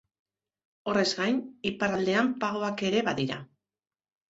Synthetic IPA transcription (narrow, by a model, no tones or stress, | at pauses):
o̞re̞zɡajnipaɾald̪e̞ampaɣo̞ake̞ɾe̞βaðiɾa̰